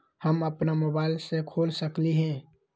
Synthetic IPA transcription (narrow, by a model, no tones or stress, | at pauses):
həməpnamoːbaːɪlsekʰoːlsəkliɦɛ̃